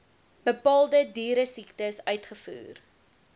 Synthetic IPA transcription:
b̥əpɑːlˠdədyːɾəsiktəsœɥtχəfṵːr

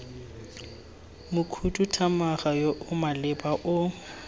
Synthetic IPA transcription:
mʊkʰutʼutʰamaχajoʔʊmalɪbaʔʊ

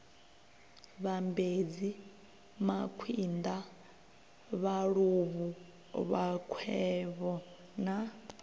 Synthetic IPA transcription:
βambed͡zi | makʰwind̪a | βaɺuβu | βakʰwɛβɔ | na

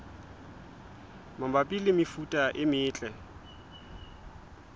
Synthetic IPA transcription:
mambapʼilɪmɪfutʼaʔɪmɪːt͡ɬʼɛ

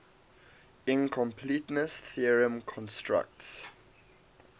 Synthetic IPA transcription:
ɪ̃nkʰɔ̃mpʰlitnəsθiəɹə̃mkʰɔ̃nstɹa̰k̚ts

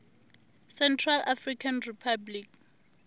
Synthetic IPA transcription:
sɛntʰralʔafrikʰanripʰablik

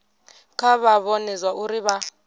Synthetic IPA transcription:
kʰaβaβonizwaʔuɾiβa

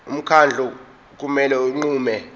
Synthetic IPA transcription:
um̩kʰand͡ɮʱu | k̬ʼumɛlɛuŋ͡ǃuːmɛ

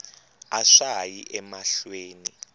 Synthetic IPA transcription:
aʂajiʔɛmaɬweːni

